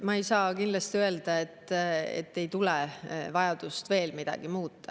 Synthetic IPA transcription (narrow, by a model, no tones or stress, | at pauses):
mɑejsɑːkinlɑst̪iø̞e̞ld̪̥ɑe̞t̪ːˑḛt̪ːejt̪ulevɑjɑd̪̥ust̪ve̞ːlmid̪̥ɑ̰ɡ̥imuːt̪ːɑ